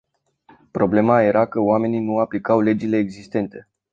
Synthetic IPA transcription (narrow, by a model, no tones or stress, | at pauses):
pɾo̞ble̞maje̞ɾakəoame̞ninuaplikawle̞d͡ʒile̞ːɡzist̪e̞nt̪e̞